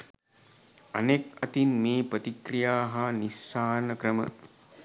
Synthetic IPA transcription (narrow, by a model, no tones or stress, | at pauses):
ɐ̰nekɐt̪inmeːpət̪ikrijaːɦanisːaːɾnəkɾəmə̰